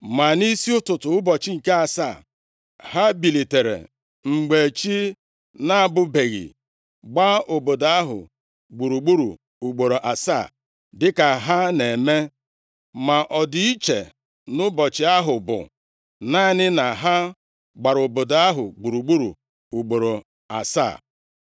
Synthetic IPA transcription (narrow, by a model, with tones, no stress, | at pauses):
ma˨ni˦si˦ʊ˦tʊ˨tʊ˨ʊ˦bɔ˨t͡ʃɪ˦ŋ̩˨ke˦a˨sa̰˦˨ | ha˦bi˨li˨te˨ɾḛ˨ | ŋ͡m̩˨ɡ͡be˨t͡ʃi˦ | na˦a˨bʊ˦be˨ɣḭ˨ | ɡ͡ba˦o˨bo˨da˦ɦʊ̰˨ | ɡ͡bu˨ɾu˨ɡ͡bu˦ɾṵ˨ | u˨ɡ͡bo˨ɾo˨ʔa˨sa̰˦˨ | dɪ˦ka˨ɦa˦ne˨me˦ | ma˨ʔɔ˨dɪ˨i˦t͡ʃḛ˨ | nʊ˦bɔ˨t͡ʃɪ˨a˦ɦʊ˨bʊ̰˨ | na˦nɪ˦na˨ɦa˦ | ɡ͡ba˨ɾo˨bo˨da˨a˦ɦʊ̰˨ɡ͡bu˨ɾu˨ɡ͡bu˦ɾṵ˨ | u˨ɡ͡bo˨ɾo˨ | a̰˨sa̰ː˦˨